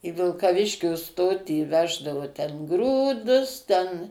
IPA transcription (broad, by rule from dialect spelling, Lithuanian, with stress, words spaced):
ɪ ʋʲɪlˠkɐˈʋʲɪʃʲkʲʊ ˈstoːtʲiː ˈʋʲæːʒdɐʋʊ tʲɛn ˈɡruːdʊs tʲɛn